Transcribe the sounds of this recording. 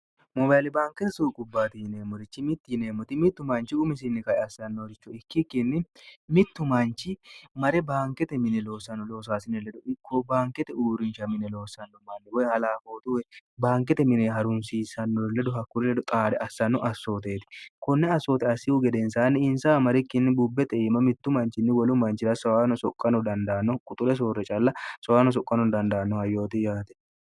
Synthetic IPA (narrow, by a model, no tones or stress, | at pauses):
mɔbaːjlɪbaːŋkɛt̪ɛsuːkʼʊbːaːt̪ɪɪneːmɔɾɪt͡ʃːɪmɪt̪ːɪneːmːɔt̪ɪmɪt̪ːʊmɐnt͡ʃɪʊmɪs̬ɪnːɪkɐjɛɐsːɐnːoɾɪt͡ʃːɔɪkːɪkːɪnːɪmɪt̪ːʊmɐnt͡ʃːɪmɐɾɛbaːŋkɛt̪ɛmɪnɛlo̞ːsːɐnːɔloːs̬aːsɪnɛlɛd̪ʊɪkʰːɔbaːŋkɛt̪ɛuːɾɪnt͡ʃɐmɪnɛlo̞ːsːɐnːɔmɐnːɪbɔjɛhɐlaːfo̞ːt̪uwɛbaːŋk̬ɛt̪ɛmɪnɛɦɐɾʊnsiːsɐnːɔlːɛd̪ʊɦɐkːʊɾɛlɛd̪ʊt̪ʼaːd̪ɛʔɐsːɐnːɔʔɐsːo̞ːt̪eːt̪ɪ̥kɔnːɛɐsːoːt̪ɛɐsːɪhʊɡɛd̪ɛnsaːnːɪɪnsaːmɐɾɪkːɪnːɪbʊbːɛt̪ɛːmɐmɪt̪ːʊmɐnt͡ʃɪnːɪwɐlʊmɐnt͡ʃɪɾɐsɐwaːnɔsɔkʼːɐnɔd̪ɐnd̪ɐːnːɔkʼʊt̪ʼʊlɛs̬oːrːɛt͡ʃʼɐlːɐsɔwaːnɔs̬ɔkʼːɐnɔnd̪ɐnd̪ɐːnːɔhɐjːo̞ːt̪ɪjaːt̪ɛ̥